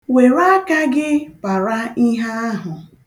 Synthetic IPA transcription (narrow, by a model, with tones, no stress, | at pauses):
we˨ɾa˦ka˦ɡɪ˦pa˨ɾa˦i˦ɦa˦a˦ɦʊ˨